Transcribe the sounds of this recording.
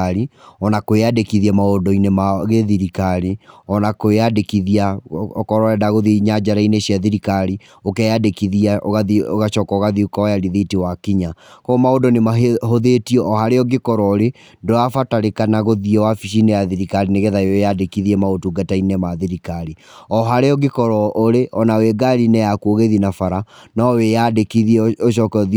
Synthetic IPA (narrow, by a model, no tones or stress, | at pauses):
aɾiɔnakoeadekiðiɛmaodɔinemaɣeðiɾikaɾiɔnakoeadekiðiakɔɾɔɛdaɣoðiɲad͡ʒaɾaineɕjaðiɾikaɾi | okɛjadekiðiaɣaioɣaʃɔkɔɣaðiukaɔjaɾiðitiwakiɲakɔːmaodɔnemaɦɦoðetiɔʔːhaɾeɔɡekɔɾɔoɾe | ndoafataɾekanaɣoðiɛwafiʃ̬inejaðiɾikaɾineɣeðaejadekiðiɛmaotuɡatainemaðiɾikaɾi | ɔɦaɾeɔɡekɔɾɔoɾeʔɔnaweɡaɾinɛjakuoɣeðinafaɾanawejadekiðiɛoʃɔkɔði